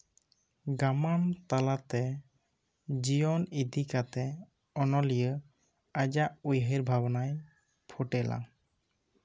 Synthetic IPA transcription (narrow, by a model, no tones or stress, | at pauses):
ɡamant̪alat̪ɛ | d͡ʒijɔnid̪ikat̪ɛ | ɔnɔlijə | ad͡ʒaʔujɦiɾbʱabɔnaj | pʰoʈɛla̰